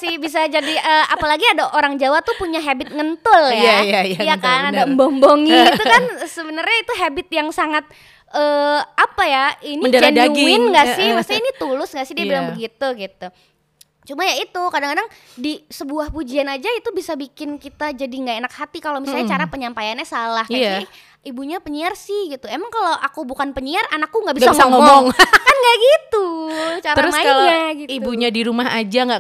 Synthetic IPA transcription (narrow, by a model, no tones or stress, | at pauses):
sɪhbis̬ad͡ʒadiʔəapalaɡiadaʔoɾaŋd͡ʒawat̪upuɲaɦabɪt̪̚ŋənt̪ʊljaajajakanadambomboŋiit̪ukansəbənərɲait̪uɦabɪt̪̚jaŋsaŋat̪̚ | əːapajainid͡ʒanaɪnŋɡasɪhmast̪iinit̪ulʊsŋɡaʔsɪhdiabilaŋbəɡit̪uɡit̪u | t͡ʃumajait̪ukadaŋkadaŋ | disəbuahpud͡ʒianad͡ʒait̪ubisabikɪnkit̪ad͡ʒadiŋɡaʔenakhat̪ikalomisalɲat͡ʃaɾapəɲampajanɲasalahka | ibuɲapəɲiarsɪhɡit̪uemaŋkaloʔakubukanpəɲiaranakːuŋɡabiɡsaŋsaŋɔmɔmɔŋkanɡaʔɡit̪ut͡ʃaɾəaɾʊmaaloaɡitibuɲadiɾumaɦad͡ʒaŋɡa